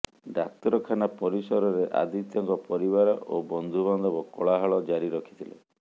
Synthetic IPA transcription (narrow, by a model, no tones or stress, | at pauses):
ɖak̚t̪ɔɾɔkʰanapɔɾisɔɾɔɾeʔa̰d̪ʱit̪jɔŋkɔpɔɾibaɾɔʔobɔnd̪ʱuβɔnd̪ɔbɔkɔɭaɦaɭɔd͡ʒaɾiɾɔkʰi̥t̪ʰilḛ